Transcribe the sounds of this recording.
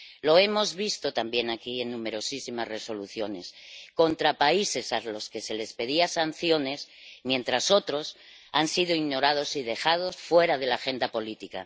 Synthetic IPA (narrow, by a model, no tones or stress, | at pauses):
lo̞e̞mo̞zβist̪o̞t̪ambje̞nakie̞nːũme̞ɾo̞sisimasre̞so̞luθjo̞ne̞̰sko̞nt̪ɾapaise̞salo̞ske̞se̞le̞spe̞ðiasan̟θjo̞ne̞s | mje̞nt̪ɾaso̞t̪ɾo̞s | ansið̞oiɣno̞ɾað̞o̞siðe̞xað̞o̞sfwe̞ɾaðe̞laxe̞nd̪apo̞lit̪ika̰